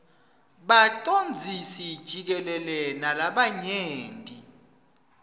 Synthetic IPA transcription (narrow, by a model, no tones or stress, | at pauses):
ɓatʼond͡zʱisid̥ʒ̥ʱik̬ɛlɛlɛnalaɓaɲeːntʼi